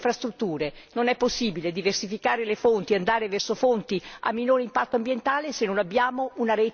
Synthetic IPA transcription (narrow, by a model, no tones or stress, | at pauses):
fɾast̪ɾut̪ːuːɾenonɛpːosːiːbiled̪iversifikaːɾelefont̪iand̪aːɾevɛrsofont̪ia̰mːinoːɾeimpat̪ːoambjent̪aːlesenːonabːjaːmounaɾɛː